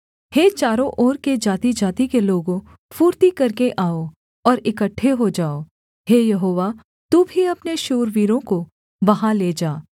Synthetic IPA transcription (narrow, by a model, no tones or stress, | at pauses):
heːt͡ʃaːɾõʔɔːɾked͡ʒaːt̪id͡ʒaːt̪ikeloːɡõ | fuːɾt̪ikɐɾkeʔaːo | ɔːɾɪkəʈʰːeɦod͡ʒaːoː | heːjɐɦoːʋa | t̪uːbʱiɐpneʃoːɾʋiːɾõko | ʋɐɦãleːd͡ʒaː